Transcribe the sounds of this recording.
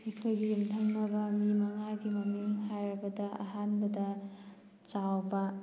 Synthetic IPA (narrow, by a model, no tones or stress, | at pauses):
mikʰojɡiumtʰɐŋnɐbɐmimɐŋaɡimɐmuŋhajɾɐbɐdɐɐ̰ɦanbɐdɐ | t͡ʃawbɐ